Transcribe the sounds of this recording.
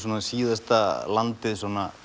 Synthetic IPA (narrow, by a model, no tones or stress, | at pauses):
sonːasiːðɛst̪alant̪ɪsonːa